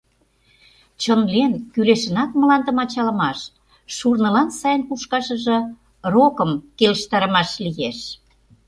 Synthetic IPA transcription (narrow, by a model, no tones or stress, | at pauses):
t͡ɕənlenkyleʃə̆nɑk̚məlɑnd̪ə̆mɑt͡ɕɑlə̆mɑʃː | urnə̆lɑnsɑjənkuʃkɑʃə̆ʒɤ̆ | rokə̆mkelʃt̪ɑɾə̆mɑʃlijeʃ